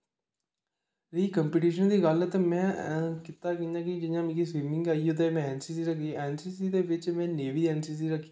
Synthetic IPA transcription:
ɾiːkəmpiːʈiːʃənd̪iːɡəlɛt̪eːmɛ̃ːkɪt̪aːkĩnãːkɪd͡ʒɪjãːmĩkiːsʋiːmɪ̃ŋɡaːiːot̪̬emɛ̃ːɛːnsiːsiːɾəkʰiːɛːnsiːsiːd̪eːʋɪt͡ʃmɛ̃ːneːʋiːɛːnsiːs̬iːɾəkʰːi

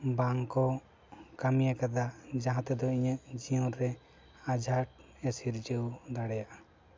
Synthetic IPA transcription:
baŋkɔ | kamijakad̪ad͡ʒaɦãt̪ɛd̪ɔiɲəʔd͡ʒijɔ̃ɾɾɛ | ad͡ʒʱaʈ | ɛsiɾd͡ʒəwd̪aɽɛjaʔa

